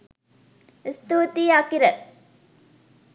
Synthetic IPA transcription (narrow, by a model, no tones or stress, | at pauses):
ist̪uːt̪iːakiɾə